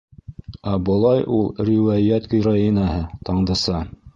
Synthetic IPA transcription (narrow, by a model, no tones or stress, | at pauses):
æbɤ̆lˠɑjʔulˠɾʲiwæjæt̪kɵ̆jɾɑinɑhɤt̪ɑɴd̪ɤ̆sɑ